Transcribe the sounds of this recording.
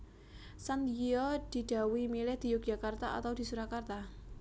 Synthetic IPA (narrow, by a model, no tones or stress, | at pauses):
sant̪iɔd̪̥i̤d̥a̤wimilɪhd̪̥i̤jʊk̚d͡ʒʒ̥akart̪aa̰t̪awd̥̪i̤suɾakart̪a